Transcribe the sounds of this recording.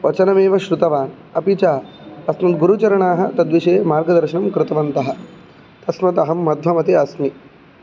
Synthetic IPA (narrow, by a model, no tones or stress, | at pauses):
ʋɐt͡ʃɐnɐmeːʋɐʃɾut̪ɐʋaːn | ɐpit͡ʃaːɐsmɐt̪d̪̚ɡuɾut͡ʃɐɾɐɳaːɦɐ̆t̪ɐd̪ʋiʃeːmaːɾɡɐd̪ɐɾʃɐnɐmkɾɪt̪ɐʋɐnt̪ɐɦɐ̆ | t̪ɐsmɐd̪ɐɦɐmːɐd̪ʱʋɐmɐt̪iɐsmi